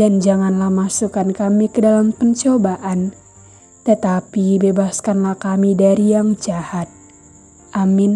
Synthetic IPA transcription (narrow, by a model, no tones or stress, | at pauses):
dand͡ʒaŋanlahmasukankamikədalampəɲt͡ʃobaʔan | t̪ət̪apibebaskanlahkamidaɾijaŋd͡ʒahat̪̚ | ʔamɪn